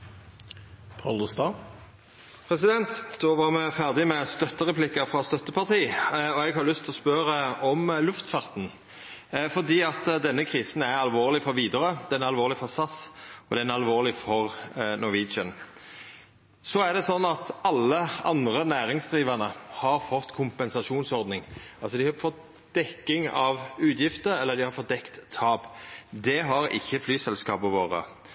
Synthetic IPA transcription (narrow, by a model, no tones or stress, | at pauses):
pʰɑlust̪ɑ | pʰʁɛs̬ɪd̪ɛnt̪d̪̥oːʋɑʁmɛfæʁd̪ɪmɛst̪œt̪ːəʁɛpʰlɪkəɾfʁɑst̪œt̪ːəpɑʁt̪ʰiːɔɛɡhɑɾlʏst̪ʰlɔspœɾəɔmlʉft̪fɑʁt̪n̩ | fɔʁd̪iːɑt̪d̪ɛnːəkʰʁiːsənæɾɑlʋoːʁlɪfɔɾʋiːd̪əʁəd̪ɛnæɑlʋoːʁlɪfɔʁsɑsɔd̪ɛænɛɑlʋoːʁlɪfɔʁnɔʋiːt͡ʃən | sɔæʁd̪ɛsɔnːɑt̪ɑlːəɑnd̪ʁənæːɾɪŋsd̪ʁiːʋɑʁnəhɑɾfɔt̪ːkʰʊmpɛnsɑʂuːnsɔɾd̪nɪŋɑlsɔd̪ɪhɑɾfɔt̪ | d̪̥ɛkːɪŋɑʋʉːt̪jɪft̪əɾɛlːəʁd̪ɪhɑɾfɔt̪̚d̪ɛkt̪ʰːɑːbd̪ɛɦɑɾɪ̰çːəflyːsɛlskɑːpəʋoːʁə̰